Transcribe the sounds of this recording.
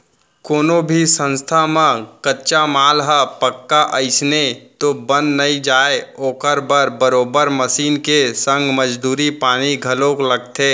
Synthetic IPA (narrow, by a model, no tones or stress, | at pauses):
koːnobʱisə̃nst̪ʰamãkətːt͡ʃamaːlɦəpəkːaʔəɪsnet̪obə̃nd̪nəĩd͡ʒaːeoːkəɾbəɾbəɾoːbəɾməsiːnkesə̃ŋɡʱməd͡ʒd̪uːɾipaːniɡʱəlõkoləɡ̚t̪ʰeː